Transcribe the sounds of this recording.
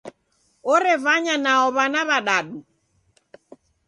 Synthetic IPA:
ɔɾɛvaɲanaɔβanaβaɗaɗu

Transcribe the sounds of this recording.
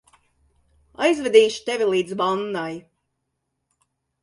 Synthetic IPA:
a̰jzvɛd̪iːʃi̥t̪ɛvʲilˠiːd̪zbanːaj

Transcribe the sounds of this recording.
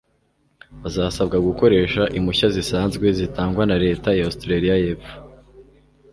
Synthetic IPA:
azaːsabɡaɡuko̞ɾe̞ːʃaʔimuçazisaːnzɡwe̞zitaːŋɡwanaɾe̞ːtajaostɾaɾijajefu̥

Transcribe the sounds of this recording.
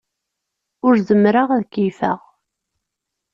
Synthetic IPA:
ʊɾðəmɾaʁæðkːifæ̰ʁ

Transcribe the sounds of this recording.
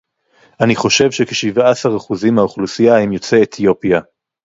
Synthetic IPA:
ʔaniχo̞ʃe̞vʃekeʃivaasaʁaχuzimaoχlusijaimjo̞t͡seːt̪ʰio̞pja

